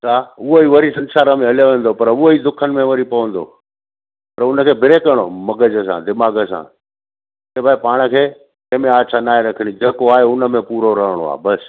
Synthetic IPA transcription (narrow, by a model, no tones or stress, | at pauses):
saːʊɦoiʋɐɾisɐ̃nsaːɾəmẽɐljoʋẽːn̆d̪opɐɾʊoiːd̪ʊkʰənɪ̆mẽʋɐɾipɐʋə̃nd̪o̰ː | pɐɾʊnəkʰeːbʱɪɾekəɾɽ̃omɐɡəd͡ʑəs̬ã̰d̪ɪmaːɡəsã̰ː | keːbʱaːipaːɽ̃ə̆kʰeː | ẽɦmẽaːt͡ɕʰãnaːĩɾɐkʰəɽ̃id͡ʑeːkoaːɦeʊnə̆mẽpuːɾoɾəɦəɽ̃o̰a̰ːbɐs